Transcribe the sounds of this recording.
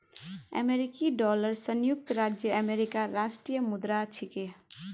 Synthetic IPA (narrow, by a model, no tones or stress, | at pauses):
ə̰meɾɪkiɖɔːləɾsənjʊk̚t̪ɾaːd͡ʒjəəmeːɾɪkaɾaːsʈɾijəmʊd̪ɾat͡ʃʰike